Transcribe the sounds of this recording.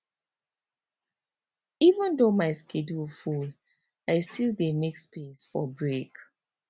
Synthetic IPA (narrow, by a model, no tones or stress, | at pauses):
ivə̃ndomaɪskʰedulfud | aɪstʰildemekspesfɔbɹek